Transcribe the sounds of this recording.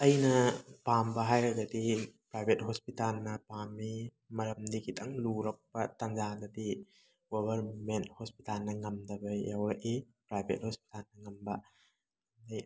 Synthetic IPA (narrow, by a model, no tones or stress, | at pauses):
ɐjnɐpambɐɦajɾɐɡɐdipɾajbʱet̚hospitalnɐpami | mɐɾɐmdiɡitʰɐŋluɾɐk̚pɐtɐnd͡ʒaɡɐdi | ɡobʱɐɾmenthospitalnɐŋɐmdɐbɐjawɾɐʔe | pɾajbʱḛt̚hospi̥talnɐŋɐmbɐ | dɐj